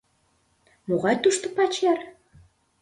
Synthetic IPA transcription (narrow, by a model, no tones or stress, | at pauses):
moʁɑjt̪uʃt̪ŏpɑt͡ɕær